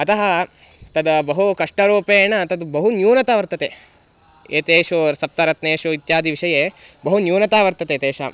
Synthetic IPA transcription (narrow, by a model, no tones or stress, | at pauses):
ɐt̪ɐɦɐ | t̪ɐd̪ɐbɐɦukɐʂʈɐɾoːpeːɳɐt̪ɐd̪ubɐɦunjuːnɐt̪aːʋɐɾt̪ɐt̪e | eːt̪eːʃoɾsɐp̚t̪ɐɾɐt̪neːʃoit̪jaːd̪iʋiʂɐjebɐɦunjuːnɐt̪aːʋɐɾt̪ɐt̪eːt̪eːʃa